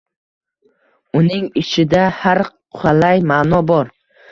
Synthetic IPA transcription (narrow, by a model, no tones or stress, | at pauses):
ʊnɪŋɪt͡ʃʰɪd̪ahaɾʰ | ʊalajmaːnɒbɒɾ